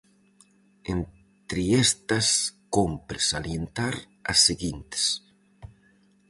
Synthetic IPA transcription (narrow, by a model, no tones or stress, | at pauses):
en | t̪ɾiest̪ɐskompɾesaljent̪aɾ | ɐ̰sːeɣint̪s